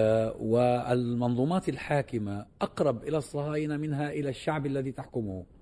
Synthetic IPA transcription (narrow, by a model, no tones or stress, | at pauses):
wɪalmɑnðˤuːmɑːt̪alħaːkɪmaʔɑqɾˤɑbʔɪlasˤːɑhɑːjnamɪnɦaʔɪlaʃːaʕbalːaðiːt̪aħkʊmʊh